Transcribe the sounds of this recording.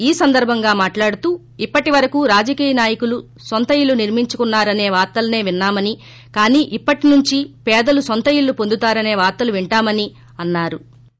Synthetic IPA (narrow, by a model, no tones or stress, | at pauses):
iːsɐnd̪ɐɾbʱɐŋɡaːmaːʈlaːɽut̪uː | ipːɐʈiʋɐɾɐkuɾaːd͡ʒɐkiːjɐnaːjɐkulu | sont̪ɐilːuniɾmiɲt͡ʃukunːaːɾɐne̞ːʋaːɾt̪ɐlɐne̞ːʋinːaːmɐni | kaːniːʔipːɐʈinuɲt͡ʃipɛːd̪ɐlusont̪ɐiɭːupond̪ut̪aːɾɐne̞ːʋaːɾt̪ɐluʋiɳʈaːmɐni | ɐnːaːɾu